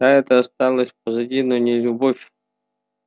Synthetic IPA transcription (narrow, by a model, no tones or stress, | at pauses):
d̪aɛt̪əɐst̪alˠəsʲp̚əzɐdʲinonʲɪlʲʊbofʲ